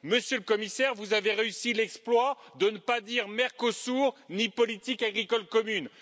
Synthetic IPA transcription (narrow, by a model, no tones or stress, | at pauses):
məsjøləkɔmisɛʁvuzaveʁeysilɛksplwad̪ənəpad̪iʁmɛʁkosuʁnipɔlit̪ikaɡʁikɔlkɔmyn